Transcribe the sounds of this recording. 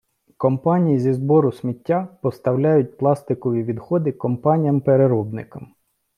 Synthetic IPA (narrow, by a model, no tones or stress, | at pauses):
kɔmpɑnʲijizʲizbɔɾʊsʲmʲitʲːapɔst̪ɐwlʲajʊt̚ʲplˠɑst̪ɪkɔʋʲiʋʲid̪xɔd̪ɪkɔmpɑnʲijɐmpeɾeɾɔbnɪ̰kɐm